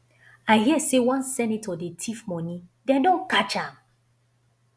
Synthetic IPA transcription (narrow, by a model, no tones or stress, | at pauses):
aɪɦiəsewɔ̃nsɛ̃nitʰɔdetʰifmɔ̃nĩdɛ̃ndɔ̃nkat͡ʃãm